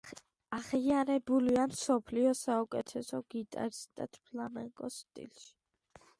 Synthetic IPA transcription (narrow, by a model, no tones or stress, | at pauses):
aχiaɾɛbuliamsɔpʰliɔsaukʼɛt̪ʰɛsɔɡit̪ʼa̰ɾist̪ʼa̰t̪ʰpʰlamɛŋkʼɔst̪ʼḭlʃi̥